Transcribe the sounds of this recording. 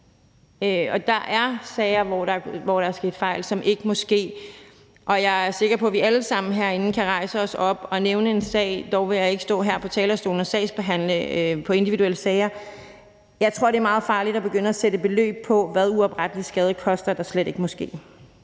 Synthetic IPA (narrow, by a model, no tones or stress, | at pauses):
øɒ̽d̥ɑ̈ʔæɐsɛːɪɐʋɒd̥ɑʋɒɾ̥ɑ̈ɐsɡ̥e̝̰ːd̥fɑ̈ɪ̰lsɒ̽mʔe̝ɡ̥əmɒ̽sɡ̥e̝̰ː | ʔɒ̽jɑ̈ɪæɐse̝ɡ̥ɐpʰɒ̽ʋiæləsɑ̈m̰n̩ɦæɐ̰e̝nn̩kʰæʁɑ̈ɪsəɒ̽sɒ̽b̥ɒ̽neʊnəe̝nsɛ̰ːɪd̥ɒʊʋe̝jɑ̈ɪe̝ɡ̥əsd̥ɔ̰̽ːɦæɐ̰pʰɒ̽t͡sʰɛːlɐsd̥o̝ːlnɒsɛ̰ɪsb̥e̝ɦæn̰ləpʰɒ̽e̝nd̥iʋiduel̰əsɛːɪɐ | jɑ̈ɪt͡sʰʁo̝ɐ̰ɾe̝æɐmɑ̈ːð̞̩ˠfɑ̈ːlid̥ɑb̥e̝ɡ̥øn̰ɐæsed̥əb̥e̝lø̰ːb̥̚pʰɒ̽ʋæðˠuɒ̽b̥ʁad̥əlisɡ̥ɛːð̞ˠəkʰɒ̽sd̥ɐd̥ɑ̈sleɾ̥e̝ɡ̥əmɒ̽sɡ̥e̝̰ː